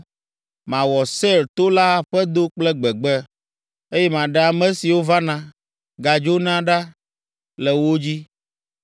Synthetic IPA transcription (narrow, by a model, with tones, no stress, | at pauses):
mã˨wɔ˨sɛ˦˨ɾt̪o˦la˦ɸɛ˦d̪o˦k͡plɛ˦ɡ͡bɛ˨ɡ͡bɛ˦ | e˦jɛ˦mã˨ɖɛ˨a˨mɛ̃˦si˨wo˦va˦nã˨ | ɡa˨d͡ʒo˦nã˦ɖa˦ | lɛ˨wo˦d͡ʑi˦